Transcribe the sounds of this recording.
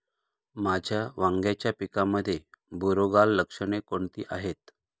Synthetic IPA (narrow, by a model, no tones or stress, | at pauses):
mad͡ʑʱjaʋaŋɡjat͡ɕjapikaməd̪ʱːjebuɾoɡalːəkʂəɳekoɳt̪ḭːʔaɦet̪